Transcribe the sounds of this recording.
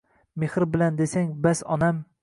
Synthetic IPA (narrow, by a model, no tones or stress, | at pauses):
mehɾbɪland̪esaŋbasɒnam